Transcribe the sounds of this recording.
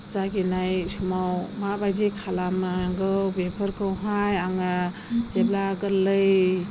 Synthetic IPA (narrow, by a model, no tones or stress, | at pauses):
zaɡinajsumawmabajdikʰalamaaŋɡɯwbepʰəɾkʰɯwɦajaŋa | d͡ʒeblaɡəɾlɯj